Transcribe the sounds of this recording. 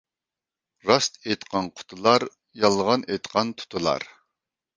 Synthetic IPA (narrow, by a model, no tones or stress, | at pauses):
ɾɑst̪et̪qʰɑnqʰʊ̥t̪ʰʊlˠɑɾ | jɑlˠʁɑnejt̪qʰɑnt̪ʰʊ̥t̪ʰʊlˠɑ̰ɾ